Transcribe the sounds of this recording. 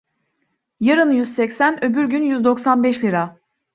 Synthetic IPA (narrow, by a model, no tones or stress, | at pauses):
jaɾɯnjyzsɛcsænøbyɾɟynjyzd̪o̞ksanbɛʃlʲiɾa